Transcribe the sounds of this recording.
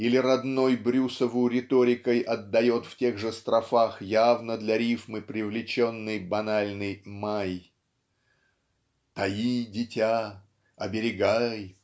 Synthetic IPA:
ilʲɪɾɐd̪no̞jbɾʲusəvʊɾʲɪt̪o̞ɾʲɪkəjʔɐd̪ːɐjo̞t̪ftʲe̞ɣʐɨst̪ɾɐfaxjavnəd̪lʲɐɾʲifmɨpɾʲɪvlʲɪt͡ɕo̞nːɨjbɐnalʲnɨjmaj | t̪ɐidʲɪtʲa | ɐbʲɪɾʲɪɡaj

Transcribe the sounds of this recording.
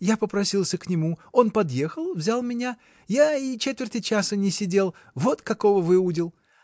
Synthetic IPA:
japəpɾɐsʲilˠsʲəknʲɪmuo̞npɐd̪je̞xəlˠvzʲalˠmʲɪnʲa | jaɪt͡ɕet̪vʲɪrt̪ɨt͡ɕasənʲɪsʲɪdʲe̞lˠ | vo̞t̪kɐko̞vəvɨudʲɪlˠ

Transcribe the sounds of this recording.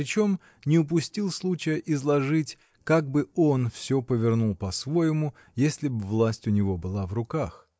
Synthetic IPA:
pɾʲɪt͡ɕo̞m | nʲɪʊp̬ʊsʲtʲilˠslˠut͡ɕɪjəʔɪzlˠɐʐɨtʲ | kaɡ̚bɨo̞nfsʲɵpəvʲɪrnulˠpɐsvo̞jɪmʊ | jesʲlʲɪbvlˠasʲtʲʊnʲɪvo̞bɨlˠavrʊkax

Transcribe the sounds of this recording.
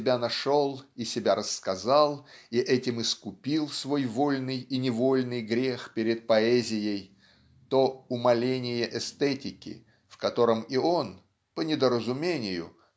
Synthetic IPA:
ɪbʲanɐʂolˠisʲɪbʲaɾəsːkɐzalˠiʔɛtʲɪmɨskʊpʲilˠsvo̞jvo̞lʲnɨjinʲɪvo̞lʲnɨjɡɾʲe̞xpʲɪɾʲɪt̪̚pɐɛzʲɪjəj | t̪o̞ʊmɐlʲenʲɪjəʔɛst̪ɛtʲɪkʲɪ̰ | fkɐt̪o̞ɾəmio̞n | pənʲɪd̪əɾəzʊmʲenʲɪjʊ̰

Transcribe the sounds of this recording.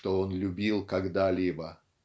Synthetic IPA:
t̪oonlʲʊbʲilˠkaɡd̪alʲibə

